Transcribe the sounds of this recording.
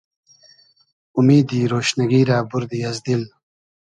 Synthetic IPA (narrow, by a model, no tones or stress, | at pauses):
ʊmiːd̪iːɾoːʃnaɡiːɾaːbʊɾd̪iɐzd̪il